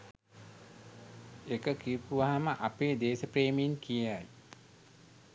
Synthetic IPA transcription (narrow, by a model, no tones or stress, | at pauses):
ekəkipuʋaɦaməʔapeːd̪eːsəpɾeːminkijaj